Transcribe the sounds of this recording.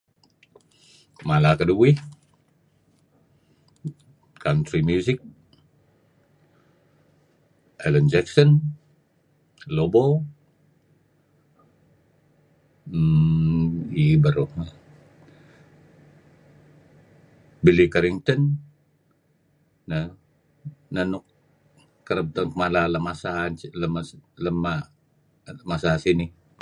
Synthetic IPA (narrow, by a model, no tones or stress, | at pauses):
malakəduwɪh | kant̪ɾimjuzɪk̚ | ʔɛlənd͡ʒɛksən | lobo | ibəɾu | bilikaɾiŋt̪ən | ə | nənʊk | kːəɾəp̚t̪əŋkmalaləmasaləmləma | masasini